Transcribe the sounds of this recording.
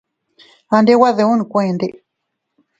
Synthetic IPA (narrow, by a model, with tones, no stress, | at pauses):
a˧nde˦wa˦ðe˧ũ˦nĩ˨kʷã˧˦ẽ˨nde˦ʔ